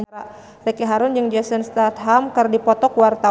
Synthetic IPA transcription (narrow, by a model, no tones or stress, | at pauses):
a | rɛkeɦaɾʊnd͡ʒəŋd͡ʒɛsənst̪at̪̚ɦamkərdipɔt̪ɔkwart̪a